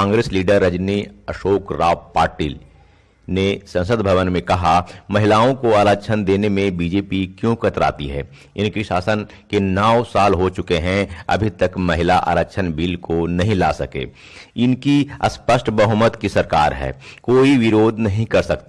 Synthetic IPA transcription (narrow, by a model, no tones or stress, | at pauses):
ãːŋɡɾeːsliːɖəɾːɐd͡ʒniɐʃoːkɾaːpaːɾʈḭːl | nesɐ̃nsəd̪bʱɐʋənmẽkɐɦamɐɦɪlaːõkoaːɾəʃʰənd̪eːnemẽbiːd͡ʒeːpikjõkʰɐt̪ɾa̰ːt̪iɦɛ̰ː | ɪnkiʃa̰ːsən | kenaːʋsaːlɦot͡ʃʊkeɦɛ̃ɐ̰bʱit̪ɐkmɐɦɪlaʔa̰ːɾəkʃʰənbiːlkonɐɦĩla̰ːsɐkḛː | ɪnkiɐ̰spəsʈʰbɐɦumət̪kisɐɾka̰ːɾɦɛ̰ːkoːiʋɪɾoːd̪ʱnɐɦĩkɐɾsɐkt̪